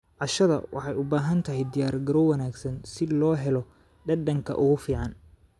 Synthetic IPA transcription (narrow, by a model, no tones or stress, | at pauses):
ʕɑʃɐðɐ̰wɑ̰ħɑjʊbaːɦɐnt̪ʰɐɦɛjd̪ɪjaːrɡɐɾɔwɐnaːɡsɐnsɪlɔːɦɛlɔ | ɖɐɖɐŋkʰɐ̰ʔʊɣʊfiːʕɑn